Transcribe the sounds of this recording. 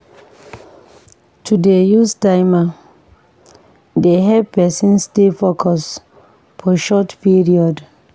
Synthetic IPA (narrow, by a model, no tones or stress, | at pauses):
tʰudejusdaɪma | deɦɛpɛsĩnstefokʰɔs | fʰɔʃɔtpiɹiɔd